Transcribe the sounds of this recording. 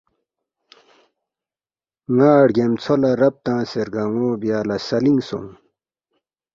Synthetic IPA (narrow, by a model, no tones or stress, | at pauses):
ŋaːɽɡemt͡sʰolɐɾɐp̚t̪ãːseɾɡɐŋoːbjaːlɐsɐliŋsṵ̃m